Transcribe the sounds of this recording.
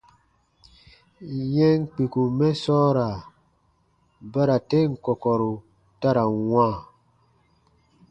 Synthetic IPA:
jɛ̃˦ŋk͡pi˨ku˨mɛ˦sɔ˦ɾa˨ | ba˦ɾa˨te˦˨ŋ̩˨kɔ˨kɔ˨ɾu˨ | ta˦ɾa˨wãː˦˨

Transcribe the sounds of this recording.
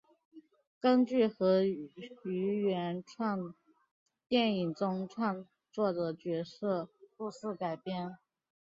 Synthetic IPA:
kə˥nt͡ɕy˥˩xɤ˧˥ | y˧˥ɥɛ˧˥nʈ͡ʂʰwɑ˥˧ŋ | t̪jɛ˥˩ni˨˩ŋt͡sʊ˥ŋʈ͡ʂʰwɑ˥˧ŋ | t͡swɔ˥˩d̪ə˩t͡ɕɥɛ˧˥sɤ˥˩pu˥˧sɹ̩˥˩ka˨˩ɪpjɛ˥n

